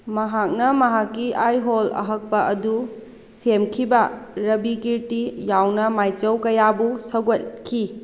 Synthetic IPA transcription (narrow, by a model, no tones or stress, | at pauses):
mɐɦak̚nɐmɐɦakːiʔajɦolɐ̰ɦɐk̚pɐʔɐdu | semkʰibɐɾɐbikiɾtijawnɐmajt͡ʃɐwkɐjabusɐɡot̚kʰi